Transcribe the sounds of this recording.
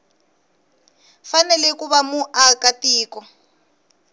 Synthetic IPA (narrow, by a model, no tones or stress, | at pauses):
fanɛlɛkuβamuʔakatiːkɔ